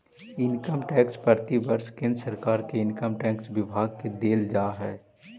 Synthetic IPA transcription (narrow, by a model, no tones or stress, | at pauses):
ɪnkəmʈɛ̃ːkspɐɾt̪ibəɾʃkɪ̃nd̪ɾəsəɾkaːɾkeɪnkəmʈɛ̃ːksʋɪbʱaːɡ̚ked̪eːld͡ʒaːɦɛː